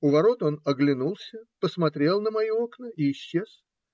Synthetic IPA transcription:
ʊvɐɾo̞t̪o̞nɐɡlʲɪnulˠsʲəpəsmɐt̪ɾʲe̞lˠnəmɐjio̞knəiːɕːe̞s

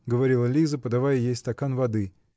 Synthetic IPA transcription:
ɡəvɐɾʲilˠəlʲizəpəd̪ɐvajəjejst̪ɐkanvɐd̪ɨ

